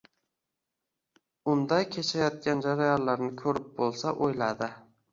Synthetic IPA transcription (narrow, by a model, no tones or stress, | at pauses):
ʊnd̪ajkʲʰe̞t͡ʃʰajɒt̪̚kʲand͡ʒaɾajɒnlaɾnɪkʲʰɵɾɪp̚bolˠsaʔojlad̪ɪ